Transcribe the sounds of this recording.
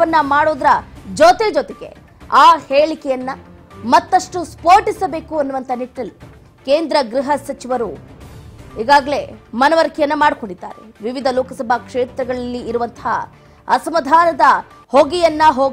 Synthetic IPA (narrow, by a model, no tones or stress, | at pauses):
ɐnːɐmaːɽoːd̪ɾɐd͡ʒɔt̪ed͡ʒɔt̪eɡe̞̰ | aːheːɭikɛjɐnːɐ | mɐt̪ːɐʂʈuspoːɾʈisɐbe̞ːkuɐnːuʋɐnt̪ɐniʈːɐlːi | keːnd̪ɾɐɡɾiɦɐsɐt͡ʃiʋɐɾu | iːɡaːɡɐɭe̞mɐnɐʋɐɾkʰjɐnːɐmaːɽko̞ɳɖid̪ːa̰ːɾeʋiʋid̪ʱɐloːkɐsɐbʱɐkʂeːt̪ɾɐɡɐɭɐlːiːɾuʋɐnt̪ɐɦa̰ | ɐsɐmɐd̪ʱaːnɐd̪ɐ | hoɡijɐnːɐɦoːɡ